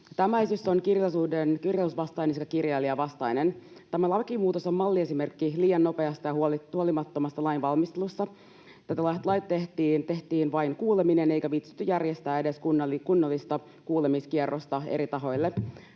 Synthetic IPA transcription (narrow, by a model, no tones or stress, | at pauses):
t̪æmæisysːonkirjɑsuːdenkirjɑusʋɑst̪ɑinesekɑkirjɑiliɑʋɑst̪ɑjnent̪æmælɑʋekimuːt̪osommɑlːie̞sime̞rkːiliːjɑnːo̞pe̞ɑst̪ɑjɑhulhuolimɑt̪ːomɑst̪ːɑlɑjnʋɑlmist̪elusːɑ | t̪æt̪ælɑist̪lɑjt̪t̪ːe̞ht̪iːnt̪e̞ht̪iːnʋɑjnkuːleminene̞jkæʋit̪sy̥t̪ːyjærjest̪æːede̞skunːɑlːikunːolːist̪ɑ | kuːlemiskierːʔost̪ɑḛɾit̪ɑɦo̞jlːe